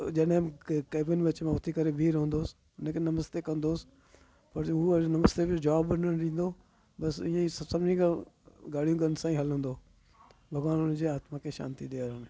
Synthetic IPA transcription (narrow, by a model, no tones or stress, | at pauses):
d͡ʒəɗɦɪ̃keːbɪnʋət͡ʃmãːʊt̪ʰikəɾebʱiːɾɦʊ̃ːnd̪oːs | nẽkenɐməst̪eːkənd̪oːs | pəɾunəməst̪ebɪd͡ʒaːbːənənɾĩːn̆d̪oː | bɐsɪ̃ːãisəsəbnĩɡɡaːɽijũɡənsãːĩɦɐlɦʊ̃nd̪oː | bʱəɡʋaːnʊnd͡ʒeːaːt̪mãːkʰeːʃa̰ːnt̪id̪eːaɾən